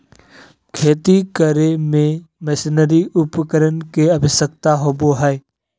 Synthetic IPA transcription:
kʰeːt̪ikəɾemẽmɛsɪnəɾiʔʊpkəɾənkeəbʱɪsək̚t̪aɦoːboɦɛː

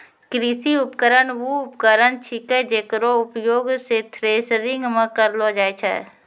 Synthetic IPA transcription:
kɾisiʊpkəɾənʋuʊpkəɾənt͡ʃʰiked͡ʒeːkɾoʊpjoːɡset̪ʰɾeːsɾɪ̃ŋɡmẽkəɾlod͡ʒaːet͡ʃʰɛ̰ː

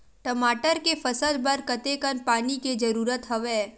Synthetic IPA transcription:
ʈəmaːʈəɾkefʰɐsəlbɐɾkɐt̪ekənpaːniked͡ʒɐɾuːɾət̪ɦɐʋeː

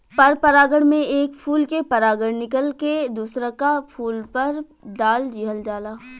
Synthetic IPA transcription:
pɐɾpɐɾaːɡəɽmẽeːkpʰuːlkepɐɾaːɡəɽnɪkəlked̪uːsɾakapʰuːlpɐɾ | d̪aːld͡ʒiːɦəld͡ʒaːlaː

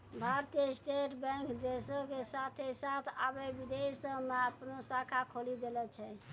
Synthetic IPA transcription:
bʱaɾt̪ijəsʈeʈbɛ̃ŋkd̪esokesat̪ʰesat̪ʰabebid̪esəmeəpnosakʰakʰolid̪elɛt͡ʃʰɛ

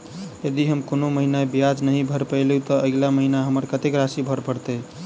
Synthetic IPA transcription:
jəd̪iɦəmkonoməɦinabijad͡ʒnəɦĩbʱəɾpəɪlũt̪əəlaməɦinaɦəməɾkət̪ekɾasibʱəɾpəɾt̪e

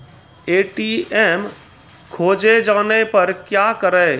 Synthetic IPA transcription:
eːʈiɛːm | kʰoːd͡ʒed͡ʒaːnepɐɾkjaːkəɾɛː

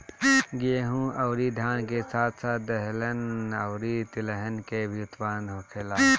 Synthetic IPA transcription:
ɡeɦũɐwɾid̪ʱjaːnkesaːt̪ʰsaːt̪̚d̪ɐɦlənɐwɾit̪ɪləɦənkebʱiʊt̪baːnɦoːkʰeːlaː

